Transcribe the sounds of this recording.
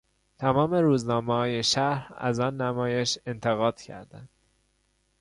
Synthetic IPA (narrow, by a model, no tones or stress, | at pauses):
t̪ʰæmɒːme̞ɾuːznɒːmehɒːjeʃæɾæ̰zɒːnːæmɒːje̞ʃe̞nt̪ʰe̞ɣɒːd̪̥cʰæ̰ɾd̪ænd̪̥